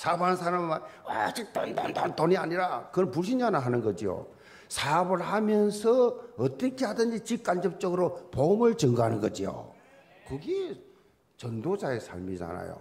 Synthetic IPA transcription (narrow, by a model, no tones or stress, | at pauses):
sʰabannsʰaɾammanwa̰d͡ʑik̚t͈andantantoniaɲiɾakɯnpuɭɕ̬ʰind͡ʑanaɦanɯnɡʌd͡ʑijo̰ | sʰabɯɭhamjʌnsʰʌʌt͈ʌkʰehadɯnd͡ʑit͡ɕik̚k͈and͡ʑʌp̚t͡ɕ͈ʌɡɯɾopoɯmɯɭt͡ɕɯŋɡɯɦanɯnɡʌd͡ʑijo̰ | kɯɡe | t͡ɕʌndod͡ʑaesʰa̰ɭmid͡ʑa̰na̰jo̰